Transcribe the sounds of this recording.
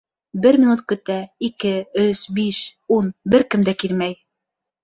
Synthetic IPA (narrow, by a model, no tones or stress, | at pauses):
bɘɾmʲinut̪̚kɵ̆t̪æikɘɵsbiʃunbɘɾkɘmd̪ækilmæj